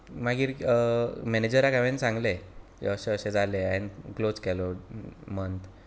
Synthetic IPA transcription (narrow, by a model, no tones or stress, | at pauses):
maɡiːɾ | mɛned͡ʑəɾakaʋensãŋɡlḛ | əɕeəɕẽd͡zʱaleanklod͡zkɛlɔmənt̪